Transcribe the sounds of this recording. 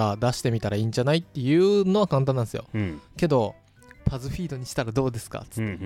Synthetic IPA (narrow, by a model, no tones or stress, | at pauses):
ad̪aɕi̥t̪e̞mʲit̪aɾaĩːɲ̟d͡ʑanait̪ːe̞jɯ̟ːno̞βakãnt̪̬ãnːãnesɨjo̞̰ke̞d̪o̞ | pazɨɸʲiːd̪o̞ɲ̟iɕi̥t̪aɾad̪o̞ːd̪e̞sɨ̥ka̰t͡sɨ̥t̪ːe